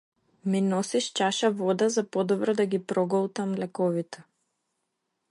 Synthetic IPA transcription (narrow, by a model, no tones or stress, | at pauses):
minɔsiʃt͡ʃaʃavɔd̪azapɔd̪ɔbɾɔd̪aɡipɾɔɡɔlˠt̪amlɛkɔvit̪ɛ̥